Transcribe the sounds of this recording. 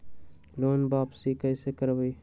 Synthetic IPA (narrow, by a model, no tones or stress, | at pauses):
loːnbaːpsikəɪsekəɾbiː